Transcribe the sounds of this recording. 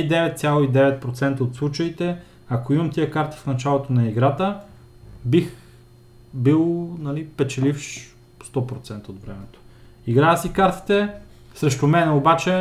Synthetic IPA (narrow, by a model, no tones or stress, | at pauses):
d̪ɛvɛt̪t̪sʲjalˠoid̪ɛvɛt̪̚pɾot̪sɛnt̪əot̪slˠut͡ʃəit̪ɛ | ɐkoimɐmt̪ijəkaɾt̪i̥fnɐt͡ʃalˠot̪onɐiɡɾat̪ə | bix | bilˠnɐlipɛt͡ʃɛlifʃ | st̪ɔpɾot̪sɛnt̪əod̪vɾɛmɛt̪o̥ | iɡɾaəsikaɾt̪i̥t̪ɛ | sɾɛʃt̪omɛnɛobat͡ʃɛ